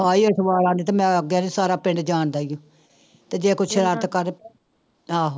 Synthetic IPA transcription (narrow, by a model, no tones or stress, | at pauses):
aːiːəsʋaːɾaːnd̪iːt̪aːmɛ̃ːɡjaːnisaːɾaːpɪ̃ɳɖd͡ʒaːnd̪aːjõː | t̪eːd͡ʒeːkʊt͡ʃʰɾət̪kəɾ | ãːɦ